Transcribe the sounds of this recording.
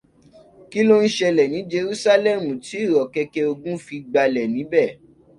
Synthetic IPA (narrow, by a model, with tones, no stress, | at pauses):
ki˦lo˦n̩˦ʃɛ˧lɛ˨nĩ˨˦d͡ʒe˧ɾu˦sa˦lɛ˦mũ˨ti˨˦˨ɾɔ˨kɛ˧kɛ˧o˧ɡũ˦fi˧ɡ͡ba˧lɛ˨nĩ˨˦bɛ˦˨